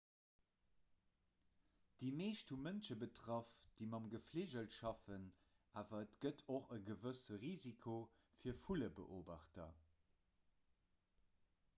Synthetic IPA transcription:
d̥iːmeːʃthumənʃəbətʁ̥ɑfd̥imɑmɡəfleːʒəltʃɑfən | ʔaːvɐətɡətʰoχəɡəvəsəʁiːzikʰo | fiːɐfuləbə̰ʔoːbɑχtɐ

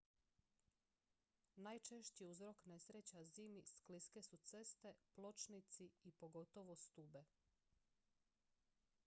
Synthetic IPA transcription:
najt͡ʃe̞ʃt͡ɕiuzɾo̞kne̞sɾet͡ɕaziːmiskliske̞sut̪se̞st̪e̞plo̞t͡ʃnit̪siipo̞ɡo̞t̪o̞ʋost̪uːbe̞

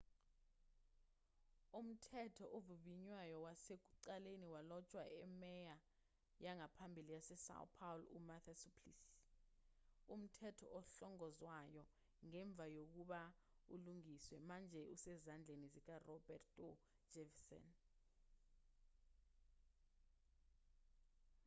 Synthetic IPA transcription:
um̩tʰɛtʰɔʔovuɓiɲwajɔwasek̬uǀaleniwalɔt͡ʃʼwaʔɛmɛja | jaŋapʰambʱilijasɛsa̰w̰pʰawlṵmat̪ʰasipʰlis | um̩tʰɛtʰɔ̰ʔɔɬɔŋɔzwajɔ | ŋɛɱb̪vʱajok̬uɓa | ṵluŋiswɛmand͡ʒʱɛusɛzand͡ɮʱenizik̬arɔbɛtɔ | d͡ʒɛvsɔ̰n

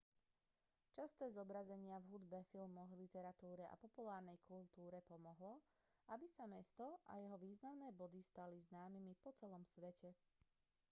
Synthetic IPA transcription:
t͡ʃast̪ɛːzɔbɾazɛɲɪavɦud̪bɛfilmɔɣlit̪ɛɾat̪uːɾɛʔa̰pɔpulaːɾnɛjkult̪uːɾɛpɔmɔɦlɔ | abisamɛst̪ɔʔa̰jɛɦɔʋiːznaʊnɛːbɔd̪ist̪aliznaːmimipɔt͡sɛlɔmsʋɛcʰɛ

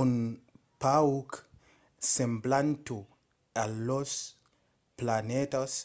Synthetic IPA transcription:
unpawk | semblant̪u | alːos | planet̪as

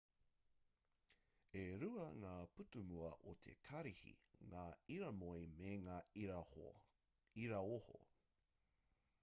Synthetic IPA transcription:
eɾuɐŋaːputumuɐʔotʰḛkʰɐɾihḭŋaːiɾɐmojmeŋaː | iɾɐoho̰

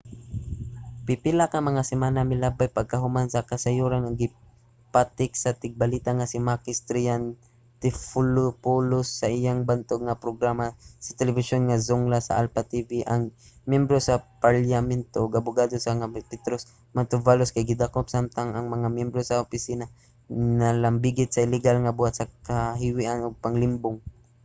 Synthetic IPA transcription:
pipɪlakɐŋmɐŋasɪmanamɪlabajpɐɡ̚kɐɦʊmansɐkɐsɐjuɾanaɡɪ | pat̪ɪk̚sɐt̪ɪɡ̚balit̪aŋasɪmakɪst̪ɾɪjan | t̪ɪfulʊpulʊsːɐʔɪjaŋbant̪oɡ̚ŋapɾoɡɾamasɐ̥t̪ɛlɛvɪsonŋazʊŋlasa̰ʔalpat̪iviʔaŋ | mjɛmbɾosapaljamɛnt̪oʔɡabʊɡaːd̪osaŋapɪt̪ɾos | mant̪ʊvaloskajɡɪd̪akopsamt̪aŋaŋmɐŋamjɛmbɾosaʊpɪsina | nalambiɡɪt̪̚saɪlɛɡalŋabuhat̪̚sakaɦɪwiʔanʊɡ̚paŋlɪmbʊŋ

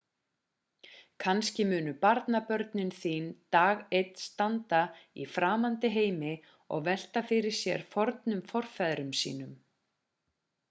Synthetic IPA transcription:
kʰanscɪmʏːnʏpaɾt̪napœɾt̪nɪnθiːnt̪aːɣejt̪nst̪ant̪aḭfɾaːmant̪ɪɦeːjmɪ | ɔ̰ɣvɛl̥t̪afɪɾɪɾ̥sjɛ̰ɾ̥fɔɾt̪nʏmfɔr̥fɛðɾʏmsḭːnʏm

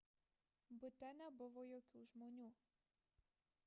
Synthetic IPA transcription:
bʊt̪ɛnɐbʊʋɔjɔkʲuʒmɔnʲu

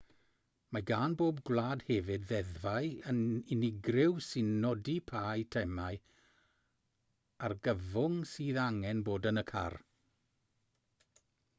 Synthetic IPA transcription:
maɡaːnboːb̚ɡlˠaːd̥hɛvɪdðɛðvajənɪnɪɡrɪwsɪnːɔdipʰaːjtʰɛmaɨ | arɡəvʊŋsiːðaŋɛnboːdənəkʰa̰r

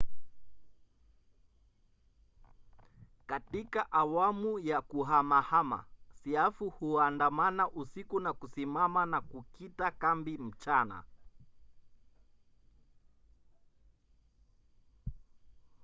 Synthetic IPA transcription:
katikaʔawamujakuɦamahama̰siafuhuandamanaʔusikunakusimamanakukitakambim̩t͡ʃana̰

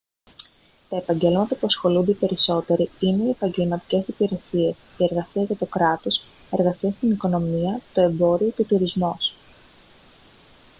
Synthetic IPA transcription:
t̪ɐe̞pɐɲɟe̞lmɐt̪ɐpuɐsxo̞lund̪epe̞ɾiso̞t̪e̞ɾiine̞ie̞pɐɲɟe̞lmɐt̪i̥ce̞sipiɾe̞sie̞sie̞ɾɣɐsiɐʝɐt̪o̞kɾɐt̪o̞s | e̞ɾɣɐsiɐst̪iniko̞no̞miɐt̪o̞e̞mbo̞ɾio̞t̪ut̪uɾizmo̞s

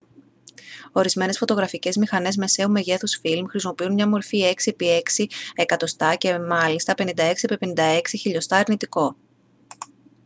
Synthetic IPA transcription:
o̞ɾizme̞ne̞sfo̞t̪o̞ɣɾɐfice̞zmixɐne̞zme̞se̞ume̞ʝe̞θusfilmxɾisimo̞piunmɲɐmo̞ɾfie̞ksipie̞ksie̞kɐt̪o̞st̪ɐce̞mɐlist̪ɐpe̞nind̪ɐe̞ksipipe̞nind̪ɐe̞ksiçiʎo̞st̪ɐɐɾnit̪iko̞

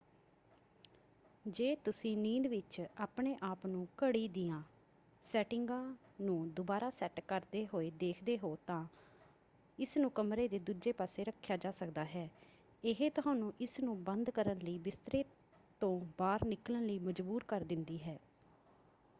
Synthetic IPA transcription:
d͡ʒeːt̪ʊsĩːnĩːd̪ʋɪt͡ʃaːpɳeːʔaːpnũːkəɽiːd̪iːãː | sɛːʈɪŋɡãːnũːd̪ʊbaːɾaːsɛːʈkəɾd̪eːɦoːeːd̪eːkʰd̪eːɦoːt̪ãː | ɪsnũːkəmɾeːd̪eːd̪uːd͡ʒeːpaːseːɾəkʰːjaːd͡ʒaːsəkd̪aːɦɛː | ɪɦeːt̪ʊɦãːnũːʔɪsnũːbənd̪kəɾənləiːbɪst̪ɾeː | t̪õːbaːɾnɪklənləiːməd͡ʒbuːɾkəɾd̪ɪnd̪iːɦɛː

